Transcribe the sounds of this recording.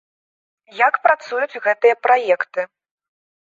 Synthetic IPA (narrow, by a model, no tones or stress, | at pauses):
jakpɾat̪sujut͡sʲɣɛt̪ɨjɐpɾajɛkt̪ɨ